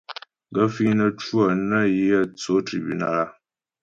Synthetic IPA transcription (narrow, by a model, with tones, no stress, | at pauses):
ɡə˦fi˦nə˦t͡ʃu˦ə˨nə˦ji˦ə˦t͡so˨˦tɾḭ˨bṵ˨na̰˦˨la˦